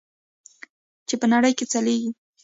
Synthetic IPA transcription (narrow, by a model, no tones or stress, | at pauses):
t͡ʃɪpanaɾajkɪt͡salɪjkɪ